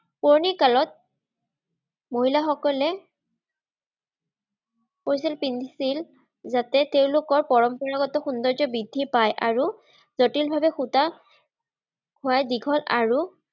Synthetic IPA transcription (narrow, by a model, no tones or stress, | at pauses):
puɹnikalɔt̚ | moɦilaxɔkɔlɛ | poɹis̬ilpindʱisil | zatɛteʊlʊkɔɹpɔɹɔmpɔɹaɡɔtɔxundɔɹzɔbidʱːipajʔaɹu | zotilbʱabɛxuta | ɡʰʱʊwajdiɡʰʱɔlaɹu